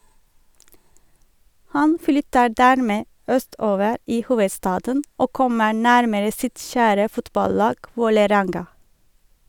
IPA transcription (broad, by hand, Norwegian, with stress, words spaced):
ˈhɑn ˈflʏtə ˈɖæːɾmeː ˈœˌstoːʋəɾ ˈiː ˈhuːʋəˌstɑːdən ˈoː ˈkɔmə ˈɳæɾməɾə ˈsɪt ˈçæːɾə ˈfʊtbɑˌlɑːɡ ˈʋoːləˌɾɛŋɡɑ